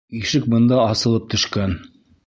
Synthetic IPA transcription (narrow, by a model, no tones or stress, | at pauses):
iʃɘk̚bɤ̆nd̪ɑɑsɤ̆lˠɤp̚t̪ɵ̆ʃkæn